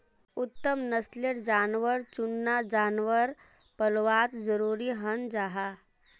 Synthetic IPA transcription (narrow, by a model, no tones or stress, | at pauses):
ut̪ːəmnəsleɾd͡ʒaːnʋəɾt͡ʃunːad͡ʒaːnʋəɾ | pəlʋat̪zəɾuːɾiːɦənd͡ʒaɦa